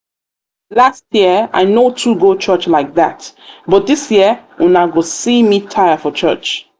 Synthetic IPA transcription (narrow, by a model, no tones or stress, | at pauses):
lastʰjiəa̰ɪnotʰuɡot͡ʃɜt͡ʃlaɪk̚ðatbɔt̚disjiəunaɡosimitʰajəfɔt͡ʃɜ̰t͡ʃ